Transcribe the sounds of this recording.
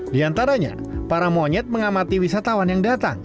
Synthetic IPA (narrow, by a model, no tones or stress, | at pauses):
diant̪aɾaɲa̰ | paɾamoɲɛt̪̚məŋamat̪iwisat̪awanjaŋdat̪a̰ŋ